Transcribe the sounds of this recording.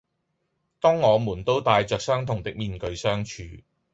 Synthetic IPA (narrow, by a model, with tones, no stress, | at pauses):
t̪ɔː˥ŋːɔː˨˧muː˨˩nt̪o˥wt̪aː˨jt͡ʃœː˨k̚sœː˥ŋt̪ʰʊ˨˩ŋt̪ɪ˨k̚miː˨nkɵ˧ɥsœː˥ŋt͡ʃʰyː˨˧